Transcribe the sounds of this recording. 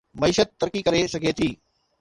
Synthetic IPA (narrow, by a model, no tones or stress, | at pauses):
mɐiːʃət̪̚ːɐɾkikɐɾesɐɡʱet̪ʰiː